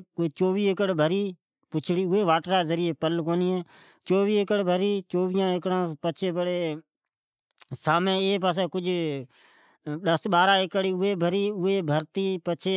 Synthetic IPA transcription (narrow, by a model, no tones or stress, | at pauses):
eːt͡ʃoːʋiːɪkəɽbʱəɾiː | pʊt͡ʃʰɽiːʊeːʋaːʈɾaːzəɾɪeːpəlkoːniːɛ̃ː | t͡ʃoːʋiːɪkəɽbʱəɾiːt͡ʃoːʋɪjãːɪkɽãːpət͡ʃʰeːpəɽeː | saːmẽːeːpaːs̬ẽːkʊd͡ʒʱ | ɗəsɓaːɾãːɪkəɽiːʊeːbʱəɾiːʊeːbʱəɾt̪iːpət͡ʃʰeː